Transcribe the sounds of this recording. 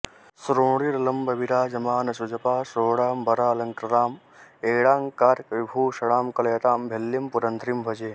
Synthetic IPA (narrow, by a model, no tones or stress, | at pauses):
sɾoːɽiɾɐlɐmbɐbiɾaːd͡ʒɐmaːnɐsud͡ʒɐpaːsoːɽaːmbʱɐɾaːlɐŋkɾɐɾaːm | eːɽaːŋkaːɾkɾibʱuːʃɐɽaːmkɐlɐjɐt̪aːmbʱelːjɐmpuɾɐnt̪ɾimbʱɐd͡ʒeː